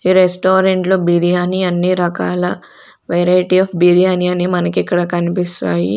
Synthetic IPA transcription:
iːɾesʈoːɾeɳʈloːbiɾijaːniɐnːiɾɐkaːlɐ | ʋeɾaːjiʈiaːpbiɾijaːniɐniːmɐnɐkikːɐɽɐkɐnipist̪aːjḭ

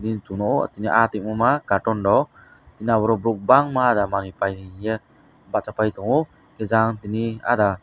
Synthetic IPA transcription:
dint̪unɔ̰t̪iniʔat̪iʔ̚mumakaʈɔndɔ | t̪inabəɾɔbɾuk̚baŋmadamanipajnijə | baʔt͡ʃapajt̪uŋu | ked͡ʒaŋt̪inia̰da

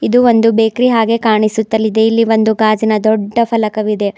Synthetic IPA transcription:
id̪uʋo̞nd̪ubeːkɾiɦaːɡe̞kaːɳisut̪ːɐlːid̪e̞ilːiʋo̞nd̪uɡaːd͡ʒinɐd̪ɔɖːɐpʰɐlɐkɐʋid̪e̞

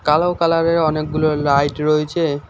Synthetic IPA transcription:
kalawkalaɾeɾɔnekɡulolajʈɾoet͡ɕʰe

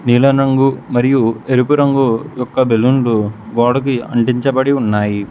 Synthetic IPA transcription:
niːlɐɾɐŋɡumɐɾijueɾupuɾɐŋɡujɔkːɐbelunɖuɡɔːɽɐk̬iɐ̰ɳʈiɲt͡ʃɐbɐɽiunːaːji

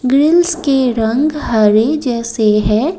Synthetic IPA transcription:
ɡɾɪlskeɾɐ̃ŋɡɦɐɾed͡ʒɛːseɦɛ̃

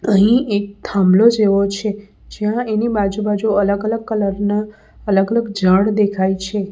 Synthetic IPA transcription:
əɦĩʔek̚t̪ʰãmlod͡ʒeʋot͡ʃʰe | d͡ʒjãenibad͡ʒubad͡ʒuələɡələɡ̚kələɾna | ələɡələɡd͡ʒəɽd̪ekʰait͡ʃʰe

